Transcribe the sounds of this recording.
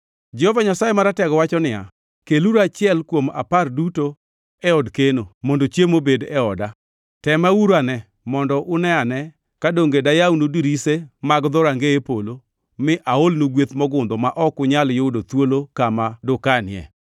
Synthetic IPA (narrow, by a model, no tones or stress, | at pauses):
d͡ʒɛhɔvaɲasajemaɾatɛɡɔwat͡ʃɔnɪja̰ | keluɾat͡ʃɪɛlkwoma̰parduto | ɛɔdkenomondot͡ʃjemobedɛɔda | tɛmauɾanɛ | mɔndɔʔʊnɛanɛ | kadoŋɡedajaunudiɾisemaɡd̪ɔɾaŋɡeepolo | mɪʔaolnuɡwet̪mɔɡʊnd̪ɔmaʔɔkʊɲaljodot̪wolokamadʊkanɪɛ̰